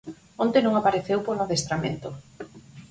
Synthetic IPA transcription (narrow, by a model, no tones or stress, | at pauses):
ont̪enõŋapaɾeθewpolnaðest̪ɾamḛ̃nt̪o